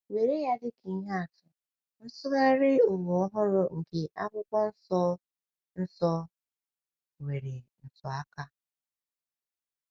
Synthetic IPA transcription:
we˨ɾe˦ja˦dɪ˦ki˨˦ɦa˦a˨tʊ˨ | n̩˦sʊ˦ɣa˦ɾɪ˦ʊ˨wɔ˨ɔ˦ɦʊ˦ɾʊ˦ŋ̩˨ke˨ʔa˦kʷʊ˦kʷɔ˦n̩˦sɔ˦ | n̩˦sɔ˦ | we˨ɾe˨n̩˨sɔ˨a˦ka˦

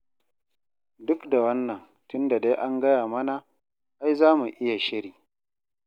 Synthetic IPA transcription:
dʊ˦kda˨wɐ˦nːɐ˨ŋ | tʊ˦nda˨da˦jʔa˦ŋɡɐ˦jaː˨mɐ˦na˨ | ʔa˦jzaː˦mu˨ʔɪ˦ja˨ʃɪ˦ɽiː˨

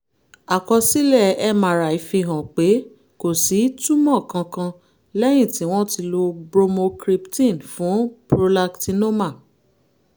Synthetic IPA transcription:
a˨kɔ˧si˦lɛ˦˨ɛ˦˨mã˨ɾa˨i˨˧fi˧ɦã˨k͡pe˨˦ | ko˨si˨˦tu˦mã˦˨kã˧kã˧ | lɛ˦j̃ĩ˦˨tĩ˨˦w̃ɔ̃˦ti˧lo˧bɾo˧mõ˧kɾi˧ptĩ˦˨nfũ˨˦pɾo˧la˧kti˧no˦ma˦˨

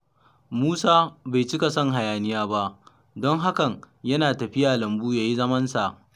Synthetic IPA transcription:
muː˦saː˦ba˨jt͡ʃɪ˦ka˨sɐ˦ŋɦa˨jaː˨nɪ˦jaː˦ba˦ʔ | dɔ˦ŋɦa˦kɐ˨ŋ | jɐ˦naː˨tɐ˨ɸɪ˦jaː˨lɐ˨mbuː˦jaː˨ji˦zɐ˦mɐ˦nsa˨ʔ

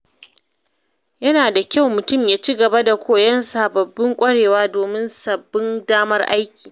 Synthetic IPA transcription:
jɐ˦naː˨da˨kʲa˦wmʊ˨tʊ˦˨mjaː˨t͡ʃiː˦ɡɐ˨ba˦da˨kʷoː˦jɐ˦nsaː˨bɐ˨bːɪ˦ŋkʷʼɐ˦ɽeː˨waː˦doː˨mɪ˦nsɐ˨bːɪ˦ndaː˦mɐ˦rʔa˦jkʲiː˨

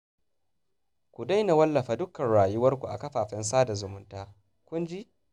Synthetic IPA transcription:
kʷu˨da˦jna˨wɐ˦lːɐ˨ɸaː˨dʊ˦kːɐ˨nɽaː˨jʊ˦wɐ˦rkʷu˨ʔa̰˨kɐ˦ɸaː˨ɸɛ˦ns̬aː˦da˨zʊ˨mʊ˦ntaː˦ | kʷʊ˦nd͡ʒi˦

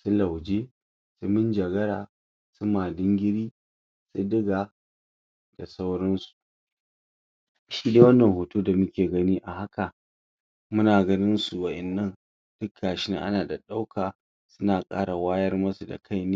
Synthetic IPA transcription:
sʊ˦la˨wd͡ʒeː˦ | su˦mɪ˦nd͡ʒɐ˨ɡɐ˦ɽaː˨ | sʊ˦maː˨dɪ˦ŋɡʲɪ˦ɽiː˦ | su˦dɪ˦ɡaː˨ | d̥a˨sa˦wɽɐ˦nsu̥˨ | ʃiː˦deː˦wɐ˦nːɐ˨ŋhoː˨tuː˦da˨mʊ˦kʲeː˨ɡɐ˦ni˦ʔa˨ɦa˦ka˨ | mʊ˦naː˨ɡɐ˦nɪ˦nsu˨wɐ˨ʔɛ˨nːɐ˦˨n | d̥ʊ˦kʰːaː˨ʃɪ˦na˦ʔa̰˦naː˨da˨ɗa˦wkʰaː˨ | sʊ˦naː˨kʼa̰ː˦ɽa˨waː˦jɐ˦rmɐ˦su˨da̰˨kʰa˦jneː˦

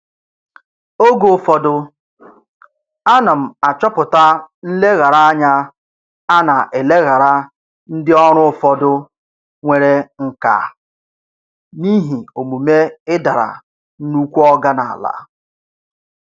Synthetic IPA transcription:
o˦ɡo˨fɔ˦dʊ˦ | a˦na˨m̩˨a˨t͡ʃɔ˦pʊ˨ta˦n̩˦le˦ɣa˨ɾa˦a˦ɲa˦ | a˦na˨ʔe˨le˦ɣa˨ɾa˦ | n̩˦dɪ˦ɔ˦ɾ̃ʊ˦˨fɔ˦dʊ˦ | ŋʷe˦ɾe˦ŋ̩˦ka̰˨ | ni˦ɦi˨o˨mu˨me˦ɪ˦da˨ɾa̰˨ | n̩˦nu˦kʷu˦ɔ˦ɡa˦na˨a̰˨la̰˦

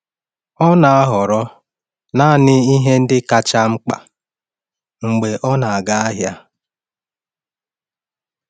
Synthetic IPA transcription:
ɔ˦na˨a˦ɦɔ˨ɾɔ˦ | na˦˨nɪ˦i˦ɦe˦n̩˦dɪ˦ka˦t͡ʃa˦ŋ͡m̩˦k͡pa̰˨ | ŋ͡m̩˨ɡ͡be˨ʔɔ˦na˨a˨ɡa˦a˦ɦja˦

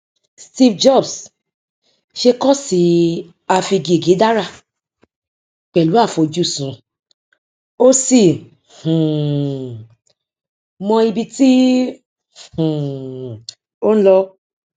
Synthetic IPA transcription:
sti˧fd͡ʒɔ˦˨bs | ʃe˧kɔ˦˨si˨˦ | a˧fi˧ɡe˨ɡe˨˦da˦ɾa˦˨ | k͡pɛ˨lu˨˦a˦˨fo˧d͡ʒu˦˨sũ˨˦ | o˦si˦˨ | h̩˨ | mɔ̃˧i˧bi˧ti˦ | h̩˨ | o˦ñ̩˦lɔ˧

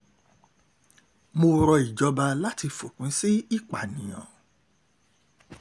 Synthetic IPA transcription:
mo˧ɾɔ˧i˨d͡ʒɔ˧ba˧la˦ti˧fo˨kũ˨˦si˦i˦˨k͡pa˨nĩ˨j̃ã̰˨

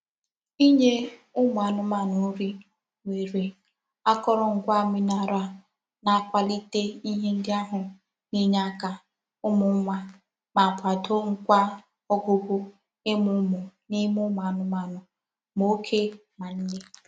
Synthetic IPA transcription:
i˦ɲe˦ʊ˦ma˨a˨nʊ˦ma˨nʊ˨˦ɾi˦ | ŋʷe˨ɾe˨ | a˦kɔ˦ɾɔ˨ŋ̩˨ɡʷa˦˨mi˦na˨ɾa˦ | na˨kʷa˨li˦te˦i˦ɦe˦n̩˦dɪ˦a˦ɦʊ˨ | ni˦ɲ˦a˦ka˨ | ʊ˦mʊ˨m̩˦ma˦ | ma˨pʰʷa˨to˦ŋ̩˨kʷa˦ | ɔ˦ɡʊ˦bʊ˦ | ɪ˦mʊ˦mʊ˨ni˦mʊ˦ma˨nʊ˦ma˨nʊ˨ | mo˦kʰe˦ma˨n̩˦ne˦

